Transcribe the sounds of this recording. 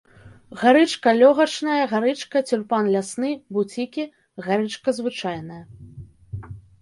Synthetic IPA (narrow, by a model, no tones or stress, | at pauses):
ɣaɾɨt͡ʂkɐlʲɔɣɐt͡ʂnɐjɐɣaɾɨt͡ʂkɐt͡sʲurpanlʲasnɨbut͡sʲikʲi | ɣaɾɨt͡ʂkɐzvɨt͡ʂajnɐjɐ